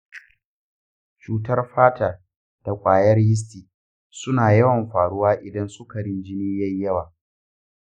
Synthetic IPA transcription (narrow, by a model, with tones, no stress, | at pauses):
t͡ʃuː˨tɐ˦rɸaː˦taː˨ | d̥a˨kʷʼaː˨jɐ˦rjɪ˦s̬tiː˨ | sʊ˦naː˨jɐ˦wɐ˨mɸaː˨ɽʊ˦waː˦ʔɪ˨dɐ˦nsʊ˦ka˨ɽɪ˦nd͡ʒɪ˦niː˦jɐ˦ɲjːɐ˦waː˨